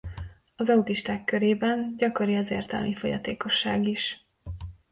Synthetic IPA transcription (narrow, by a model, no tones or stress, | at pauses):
ɒzɒut̪iʃt̪aːkːøɾeːbɛnɟɒko̞ɾiɒzeːrt̪ɛ̰lmʔifo̞jɒ̰t̪ḛːko̞ʃːaːɡiʃ